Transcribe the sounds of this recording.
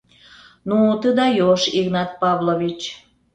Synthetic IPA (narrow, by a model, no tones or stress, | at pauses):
nut̪əd̪ɑjoʃiɣnɑt̪̚pɑβlovit͡ɕ